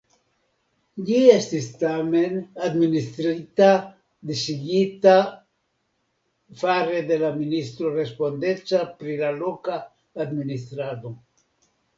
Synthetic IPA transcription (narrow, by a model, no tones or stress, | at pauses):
ʎiest̪ist̪amenad̪minist̪ɾit̪a | d̪isiɡit̪a | fareðelaminist̪ɾorespond̪et͡sapɾilalokaː | d̪minist̪ɾaðu